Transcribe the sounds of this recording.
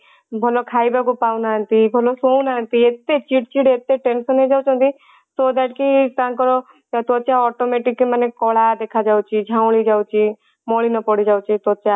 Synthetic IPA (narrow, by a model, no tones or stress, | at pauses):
bʱɔlɔkʰaibaɡupawnaə̃nt̪ibʱɔlɔsownaənt̪iet̪et͡ʃiʈ̚t͡ʃiɽet̪eʈensɔnɦed͡ʒawt͡ʃʰɔ̃nt̪i | t̪ɔd̪ɛʈ̚kit̪ãːkɔɾɔ | t̪ɔt̪ːt͡ʃaɔʈomeʈikːemanekɔɭ̤ad̪ekʰad͡ʒawt͡ʃʰid͡ʒʱãw̃ɭid͡ʒawt͡ʃʰi | mɔɭinɔpɔɽid͡ʒawt͡ʃʰit̪ɔt̪ːt͡ʃa